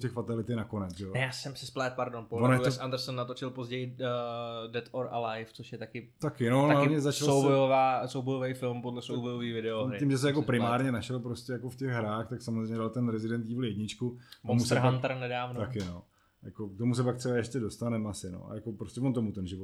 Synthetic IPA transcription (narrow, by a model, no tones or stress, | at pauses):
tɛxfat̪alɪt̪ɪnako̞nɛt͡sʒɛjojaːsɛmsɪsplɛt̪̚paɾdonpolvonojɛoʔand̪ɛɾsonːat̪ot͡ʃɪlpozɟɛjɪ | dɛt̪oɾa̰lajft͡soʃjɛt̪akɪt̪akɪnooaɦaɲɛzat͡ʃsalowbojovaːsowbojovejfɪlmpodlɛsowbojoviːvɪdɛoɾɪimʒɛs̬ɛjakopɾɪmaːɾɲɛnaʃɛlpɾoscɛjakofcɛɣɦɾaːxt̪aksamozrejmɲɛdalt̪ɛnɾɛzɪdɛnt̪̚ɟiːvl̩jɛdɲɪt͡ʃkumomusɾɦant̪ɾnɛdaːvnot̪akɪno | jakok̚t̪omus̬ɛpak̚t̪ʂɛbaɛʃcɛdo̞st̪anɛmasɪno̰a̰jako̞pɾoscɛvont̪omut̪ɛnʒɪvo